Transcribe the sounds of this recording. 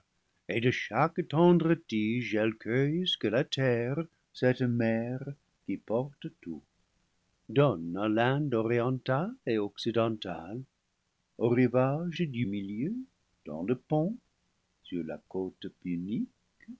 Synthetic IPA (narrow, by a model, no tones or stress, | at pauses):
edəʃaktɑ̃d̪ʁətiʒɛlkʰœjsə̥kəlatʰɛʁ | sɛtmɛʁ | kipɔʁt̪ətu | dɔnalɛ̃ndɔʁiɑ̃taleɔksidɑ̃t̪al | oʁivaʒdymiljø | d̥ɑ̰̃ləpɔ̃ | syʁla̰kot̪pynik